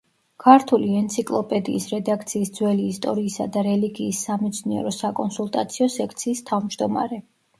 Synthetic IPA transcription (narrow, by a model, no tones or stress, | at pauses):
kʰaɾt̪ʰuliɛnt̪sʰikʼlˠɔpʼɛd̪ḭːsɾɛd̪akʰt̪sʰiːsd̪zwɛliːst̪ʼɔɾiːsad̪aɾɛliɡiːsːamɛt̪sʰniɛ̰ɾɔsakʼɔnsulˠt̪ʼat̪sʰiɔsɛkʰt̪sʰiːst̪ʰavmd͡ʒd̪ɔma̰ɾɛ